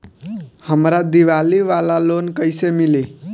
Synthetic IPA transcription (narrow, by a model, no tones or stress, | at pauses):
həmɾad̪iʋaliʋalalonkəjsemili